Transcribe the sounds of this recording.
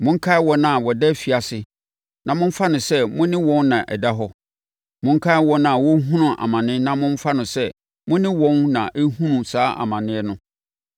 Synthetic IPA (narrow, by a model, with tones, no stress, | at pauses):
mʊ̃˦ŋ̩˦kʰa˦wɔ˦nã˨wɔ˨dɛ˦fi˨a˨sɪ˨ | nã˨mʊ̃˦ɱ̩˦fa˦nʊ̃˨sɛ˦mʊ̃˦nɪ̃˦wɔ̃˦nnã˨ʔɛ̰˨da˦ɦɔ˦ | mʊ̃˦ŋ̩˦kʰa˦wɔ˦nã˨wɔ˦ɦũ˦nʊ̃˨ʔa̰˨mã˨nɪ̃˦nã˦mʊ̃˦m˦fa˦nʊ̃˨sɛ˦ | mʊ̃˦nɪ̃˦wɔ̃˦nnã̰˨ʔe˦hũ˦nũ˨saː˦ʔa̰˨mã˨nɪ̃˦ɛ˦nʊ̃˦